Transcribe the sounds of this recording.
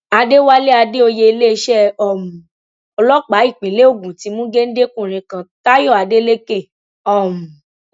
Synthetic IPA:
a˧de˦wa˦le˦a˧de˦o˧je˧˦˧le˦˧ʃɛ˦˨ɔ˨mũ˨ | ɔ˧lɔ˦k͡pa˨˦i˦˨k͡pĩ˨˦le˦o˦˨ɡũ˨ti˨˦mũ˦ɡe˦n̩˦de˦kũ˦˨ɾ̃ĩ˧kã˧ta˦jɔ˦˨a˨de˦le˦ke˦˨ | ɔ˦˨mũ˨

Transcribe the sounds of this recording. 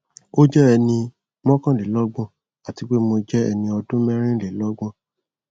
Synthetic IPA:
o˦d͡ʒɛ˦ɛ˧nĩ˧ | mɔ̃˦kã˦˨le˨˦lɔ˦ɡ͡bɔ̃˧˦ | a˨ti˨˧ɡ͡be˦mo˧d͡ʒɛ˦ɛ̰˧nĩ˧ɔ˧dũ˦mɛ̃˦ɾ̃ĩ˦le˨˦lɔ˦ɡ͡bɔ̃˦˨

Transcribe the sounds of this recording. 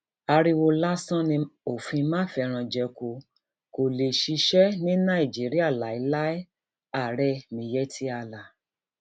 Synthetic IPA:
a˧ɾi˧wo˧la˦sã˦nĩ˧o˨fĩ˧mãː˦fɛ˧ɾ̃ã˧d͡ʒɛ˧ko˧ | ko˨le˨ʃi˧ʃɛ˦nĩ˦nã˦˨i˨d͡ʒi˨˦ɾi˦a˦˨la˨i˨˦la˦ɛ˦ | a˦˨ɾɛ˧˨mĩ˨jɛ˦tʰi˦a˧la˨

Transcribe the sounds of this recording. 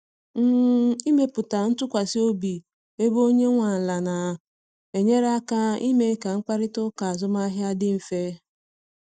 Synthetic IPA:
m̩˦i˦me˦pʊ˨ta˨n̩˦tʊ˦kʷa˨si˦o˦bi˨ | e˦bo˦ɲe˦ŋʷa˨n̩˨la˨na˨ | e˨ɲe˦ɾa˦ka˦i˦me˦ka˨ŋ̩˦k͡pa˦ɾɪ˦tʊ˦ka˨a˨zʊ˦ma˦ɦja˦dɪ˦m̩˨fe˦

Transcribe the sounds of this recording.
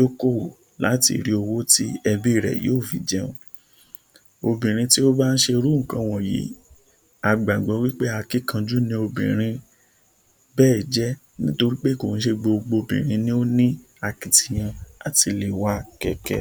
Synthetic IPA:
o˦ko˦˨o˨ | la̰˨˦tḭ˧˨ɾi˧o˧wo˦ti˦ɛ˧bi˦˨ɾɛ̰˨jo̰ː˦˨fi˨d͡ʒɛ˦ṵ̃˧˦ | o˧bĩ˨ɾ̃ĩ˧ti˦o˦ba˦n̩˦ʃe˧ɾũ˦˨kã˧w̃ɔ̃˨jḭ˨˦ | a˨˧ɡ͡ba˨ɡ͡bɔ˨˧˦wi˦k͡pe˦a˧ki˦kã˧d͡ʒu˦nĩ˧˦o˧bḭ̃˨ɾ̃ĩ˧ | bɛː˦˨d͡ʒɛ˦ | nĩ˦to˧ɾi˦k͡pe˦ko˨ñ̩˨˦ʃe˧ɡ͡bo˧ɡ͡bo˧o˧˨bĩ˨ɾ̃ĩ˨˧˦nĩ˦o˦nĩ˦ | a˧ki˨ti˧˨j̃ã˧a˨ti˧le˨wa˦kɛ̰˧˨kɛ̰˧

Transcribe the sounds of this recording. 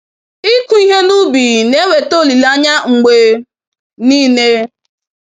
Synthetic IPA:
i˦ku˨i˦ɦe˦nu˦bi˨ne˦we˨to˦li˨la˦ɲa˦ŋ͡m̩˨ɡ͡be˨ | niː˦ne˦

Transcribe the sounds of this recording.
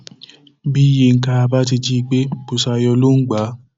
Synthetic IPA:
bi˦je˧˨ŋ̩˦ka˧ba˦ti˧d͡ʒi˦i˧ɡ͡be˦˨pu˧sa˧jɔ˧lo˦ŋ̩˦ɡ͡ba˨˦

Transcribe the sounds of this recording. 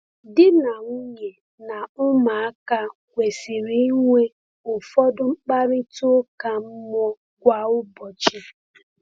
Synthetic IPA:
dɪ˦na˨ŋ̩˦ɲe˨ | na˨ʊ˦ma˨a˦ka˦kʷe˨si˨ɾi˦i˦ŋʷe˦ | ʊ˨fɔ˦dʊ˦ŋ͡m̩˦k͡pa˦ɾɪ˦tʊ˦ka˨m̩˦mɔ˦ | ɡʷa˨ʊ˦bɔ˨t͡ʃi˦

